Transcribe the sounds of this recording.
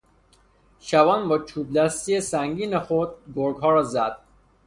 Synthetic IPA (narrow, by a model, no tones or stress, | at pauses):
ʃævɒːnbɒːt͡ʃʰuːb̚d̪æst̪ijesæŋɡiːnexod̪̚ɡoɾɡɦɒːɾɒzæd̪̥